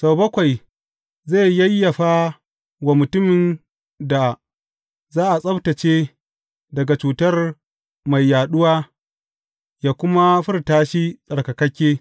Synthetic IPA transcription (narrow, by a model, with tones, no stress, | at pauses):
sa˨bɐ˦kʷa˨j | za˦˨jjɐ˦jːɐ˨ɸaː˦ | wa˨mʊ˨tʊ˦mɪ˨n | da˨ | zaː˦ʔa˨sʼɐ˦btɐ˨t͡ʃeː˦ | dɐ˨ɡa˨t͡ʃuː˨tɐ˦r | ma˨jːaː˨ɗʊ˦waː˦ | jaː˦kʷʊ˦ma˦ɸɪ˦rtaː˦ʃi˦sʼɐ˨ɽkɐ˨kɐ˦kʲeː˦